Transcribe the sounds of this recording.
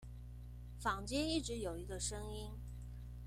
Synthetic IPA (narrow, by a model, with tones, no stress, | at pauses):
fɑ˨˩ŋt͡ɕjɛ˥ni˥˩ʈ͡ʂɻ̩˧˥jo˨˩ʊi˧˥ɡə˧ʂɤ˥ŋi˥n